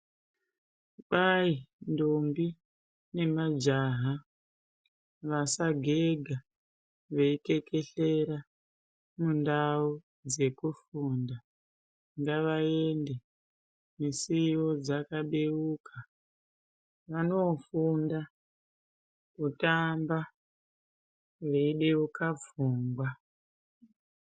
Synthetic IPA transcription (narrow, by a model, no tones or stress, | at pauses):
ɓaindombi | ne̞mad͡ʒaɦa | ʋasaɡʱeɡʱa | ʋeike̞ke̞ɬeɾa | mundau | d͡ze̞kufuːnda | ŋɡaʋaende | misiwod͡zakaɓeuka | ʋanofunda | kutamba | ʋeiɗeukavuːŋɡwa